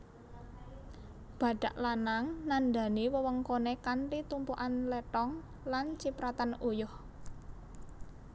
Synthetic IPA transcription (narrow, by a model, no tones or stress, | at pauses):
b̥ä̤ɖ̥a̤ʔlanaŋnand̪a̤niwəwəŋkonekanʈit̪umpuʔanleʈɔŋ | lant͡ʃipɾat̪anujʊh